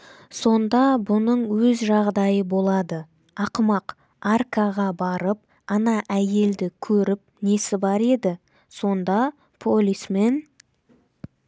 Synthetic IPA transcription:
so̞nd̪ɑbʊnəɴwɵzʒɑʁd̪ɑjəbo̞lˠɑd̪ə | ɑqəmɑq | arkɑʁɑbɑɾəp̚ | ɑnɑʔæje̞ld̪ɪkʲʰɵɾɪp̚ne̞sɪbɑɾe̞d̪ɪ | so̞nd̪ɑ | pʰolʲisme̞n

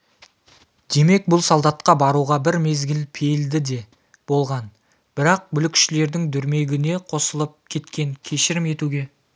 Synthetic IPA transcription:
d̪̥e̞me̞k̚bʊlˠsolˠd̪ɑt̪qɑbɑɾuʁɑbɪɾme̞zɡʲɪlpʰeld̪ɪd̪e̞ | b̥o̞lˠʁɑn | b̥ɪɾɑq̚bʏlɪkʲʰʃɪle̞ɾd̪ɪŋd̪ʏɾme̞ɡʲɪne̞qʰo̞səlˠəp̚kʲʰe̞t̪kʲe̞ŋkʲʰe̞ʃɪɾɪme̞t̪uɡʲe̞

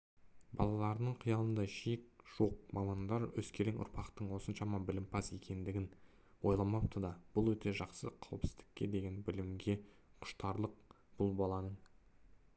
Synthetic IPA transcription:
bɑ̰lˠɑlˠɑɾənəɴqʰijɑlˠənd̪ɑʃijɪk̚ʒ̥oq̚mɑmɑnd̪ɑɾwɵskʲʰeɾɪŋʔʊ̰ɾpʰɑqt̪əɴwo̞sənʃɑmɑbɪlɪmpʰɑse̞kʲe̞nd̪ɪɡʲɪn | wo̞jlˠɑmɑp̚t̪ʰəd̪ɑb̥ʊlˠwɵt̪e̞ʒɑqsəqʰɑwəpsɪzd̪ɪ̥kʲːe̞d̪e̞ɡʲe̞nbɪlɪmɡʲe̞ | qʰʊ̥ʃt̪ɑɾlˠəq̚ | b̥ʊlˠbɑlˠɑnəɴ

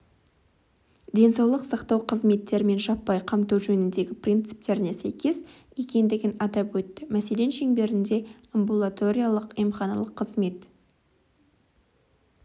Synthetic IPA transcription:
d̪ʲe̞nsɑwlˠəqsɑqt̪ɑwqʰəzme̞t̪ːe̞ɾme̞nʒɑpːɑjqʰɑmt̪ɑwʒɵnɪnd̪e̞ɡʲɪprʲint̪sɨ̥p̚t̪e̞ɾɪnesæjkʲe̞zje̞kʲe̞nd̪ɪɡʲɪnɑd̪ɑpwɵt̪ːɪmæse̞le̞nʃe̞ŋbe̞ɾɪnd̪e̞əmbulˠat̪o̞ɾʲijalˠəqijmχɑnɑ̰lˠəqʰːəzme̞t̪

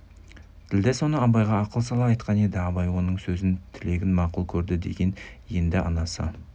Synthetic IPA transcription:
t̪ʰɪld̪eso̞nəɑbɑjʁɑːqəlˠsɑlˠɑɑjt̪qɑned̪ɪɑbɑjwo̞nəɴsɵzɪnt̪ʰɪle̞ɡʲɪnmɑqulˠkʲʰɵɾd̪ɪd̪e̞̰ɡʲe̞nje̞nd̪ɪʔɑ̰nɑsə̰

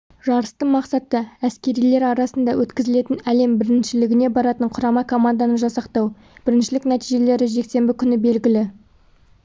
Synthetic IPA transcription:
ʒɑɾəst̪əɴmɑqsɑt̪ːəæskʲe̞ɾijle̞ɾɑɾɑsənd̪ɑwʔɵt̪kʲɪzɪle̞t̪ɪnæle̞mbɪɾɪnʃɪlɪɡʲɪne̞bɑɾɑt̪əɴqʰʊɾɑmɑkʰo̞mand̪ɑnəʒɑsɑqt̪ɑw | b̥ɪɾɪnʃɪlɪknæt̪ijʒe̞le̞ɾɪʒe̞kse̞mbɪkʲʰʏnɪbe̞lɡʲɪlɪ

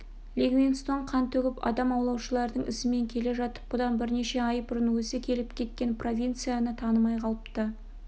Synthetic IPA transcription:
lʲeɡvʲenst̪o̞ɴqʰɑnt̪ʰɵɡʲɪpɑ̰d̪ɑmɑwlˠɑwʃəlˠɑɾd̪əɴɪ̰sɪme̞ŋkʲʰe̞le̞ʒɑt̪ə̥p̚b̥ʊd̪ɑnbɪɾne̞ʃe̞ɑjbʊɾənwɵsɪkʲʰe̞lɪpkʲʰe̞t̪̚kʲe̞npro̞vʲijnt̪sɨjanət̪ʰɑnəmɑjqʰɑlˠəpt̪ə

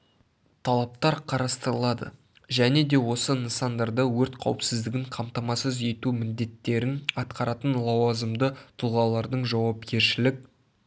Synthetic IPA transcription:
t̪ʰɑlˠɑp̚t̪ɑɾqʰɑɾɑst̪əɾəlˠɑd̪ə̰ | ʒæne̞d̪e̞wo̞sənənsɑnd̪ɑɾd̪əwɵɾt̪qʰɑ̰wəpsɪzd̪ɪɡʲɪɴqʰɑmt̪ɑmɑsəze̞t̪umɪnd̪e̞t̪ːe̞ɾɪnɑt̪qɑɾɑt̪ənlˠɑwɑzəmd̪ət̪ʰʊlˠʁɑlˠɑɾd̪əɴʒɑwɑp̚kʲʰe̞ɾʃɪlɪk̚ʲ

